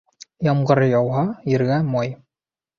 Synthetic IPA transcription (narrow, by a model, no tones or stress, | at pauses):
jɑmɢɤ̆ɾɤjɑwɦɑjɘ̆ɾɡæmɑj